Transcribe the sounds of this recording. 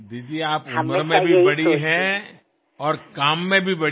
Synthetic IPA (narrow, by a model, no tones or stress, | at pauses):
d̪iːd̪ieaːpʊməɾmẽbʱiibɐɽiɦɛ̃ | ɔːɾkaːmːẽbʱibɐɽ